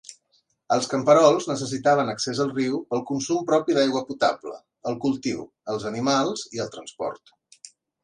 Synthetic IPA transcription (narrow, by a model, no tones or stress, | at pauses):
əlˠskəmpəɾɔlˠznəs̬əs̬it̪aβ̞ənəksezəlˠriwpəlˠkunsumpɾɔpiðajɣwəput̪ablə̰ | əlˠkulˠt̪iw | əlˠzənimalˠz̥iəlˠt̪ɾənspɔ̰ɾt̪